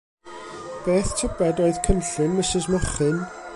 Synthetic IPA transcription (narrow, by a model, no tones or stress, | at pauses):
b̥eːθtʰəbɛdoːɨð̥kʰənɬɪnmɪsɪzmɔχɨn